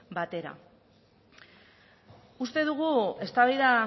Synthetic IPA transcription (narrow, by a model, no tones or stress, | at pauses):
bat̪e̞ɾa̰ | ust̪e̞ðuɣ̞ue̞st̪aβajða